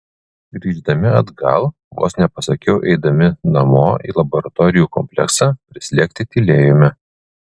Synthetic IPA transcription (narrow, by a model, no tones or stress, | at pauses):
ɡɾʲiːʒd̪ɐmʲɪɐd̪ɡɐ̰lˠ | ʋo̰ːsnʲɛpɐsɐkʲɛʊʔɛ̰ɪd̪ɐmʲɪnɐmoːḭːlˠɐbɔɾɐt̪ɔɾʲɪjuːkɔmʲpʲlʲɛ̰ksɑːpʲɾʲɪsʲlʲiɛkʲt̪ʲɪt̪ʲilʲeːjɔmʲɛ